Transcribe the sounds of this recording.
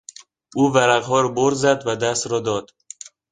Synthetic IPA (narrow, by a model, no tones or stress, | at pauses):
ʔuːvæɾæɣɦɒːɾɒboɾzæd̪væd̪æst̪ɾɒːd̪ɒːd̪̥